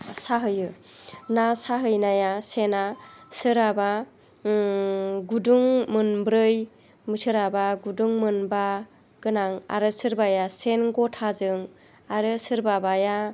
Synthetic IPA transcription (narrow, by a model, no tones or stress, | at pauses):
saɦɯjɯnasaɦɯjnajasenasɯɾaba | ɡuduŋmɯnbɾɯj | mɯsɯɾabaɡuduŋmɯnba | ɡ̥ɯnaŋa̰ɾɯsɯɾbajasenɡɔtʰazɯŋ | aɾɯsɯɾbabaja